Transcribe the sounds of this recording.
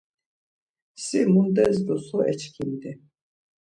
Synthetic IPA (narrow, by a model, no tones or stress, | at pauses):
simund̪ɛzd̪ɔsɔʔɛt͡ʃʰkʰimd̪ɛ